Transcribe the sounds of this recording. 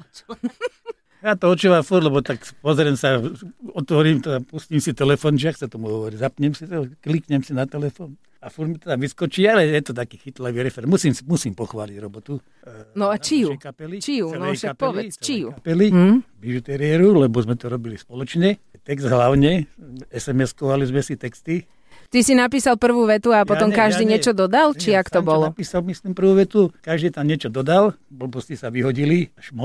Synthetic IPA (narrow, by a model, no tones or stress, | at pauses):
jat̪ɔɔt͡ʃuːʋamfuɾlɛbɔt̪akpɔzɾɛmsaɔt̪ʋɔɾiːmt̪ɛd̪apusciːmsit̪ɛlɛfɔnʒaxt͡sɛt̪ɔmuɦɔʋɔɾiɟzapɲɛmsit̪ɛklikɲɛmsinat̪ɛlɛfɔːn | afuɾmit̪ɛd̪aʋiskɔt͡ʃialɛjɛt̪ɔt̪akiːxit̪laʋiːɾɛfɛɾɛmmusiːmsimusiːmpɔxʋaːliɟɾɔbɔt̪u | nɔat͡ʃiuɛjkapɛlit͡ʃiut͡sɛnlɛkapɛɔlʋɛt͡sɛt͡ʃiukapɛliʋiʒut̪ɛɾiɛɾulɛbɔzmɛt̪ɔɾɔbilispɔlɔt͡ʃɲɛ | t̪ɛɡzd̪ɦlaʊɲɛɛsɛmɛskɔʋalizmɛsit̪ɛkst̪i | t̪isinapiːsalpr̩ʋuːʋɛt̪uapɔt̪ɔmkaʒd̪iːɲɪɛt͡ʃɔd̪ɔd̪alt͡ʃiakt̪ɔbɔlɔapiːsalmislimpr̩ʋuːʋɛt̪ukaʒd̪iːt̪amɲɛt͡ʃɔd̪ɔd̪al | bl̩bɔscisaʋiɦɔɟiliaʃmɔ